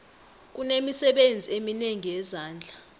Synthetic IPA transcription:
k̬unemisɛɓend͡zʱiemineŋijɛzaːnd͡ɮʱa

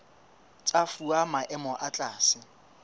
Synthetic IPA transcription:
t͡sʼafuamaʔɛmɔʔat͡ɬʼaːsɪ

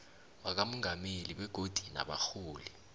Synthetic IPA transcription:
wak̬amɔŋameliɓɛɡ̥ʱod̥ʱina̰ɓa̰xuːli

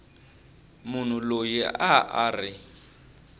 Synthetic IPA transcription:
mʊn̤ulojiaaːri

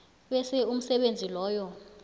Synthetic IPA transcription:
ɓɛsɛum̩sɛɓend͡zʱilɔːjɔ

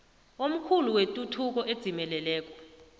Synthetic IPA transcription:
om̩kʰuluwetʼutʰuk̬ɔʔed̥z̥ʱimɛlɛlɛːk̬ʼɔ

